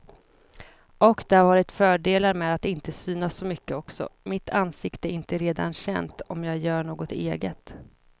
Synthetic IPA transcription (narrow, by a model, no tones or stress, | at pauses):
ɔkd̪ɛhaɾvɑːɾɪt̪fœːɖeːlaɾmeːd̪at̪ɪnt̪əsyːnasːɔmʏkːəɔksɔ̰mɪt̪ʰansɪkt̪əɛɾɪnt̪əɾeːd̪a̰nɕɛ̰nt̪ɔmjɑːɡjœːɳoːɡɔt̪eːɡət̪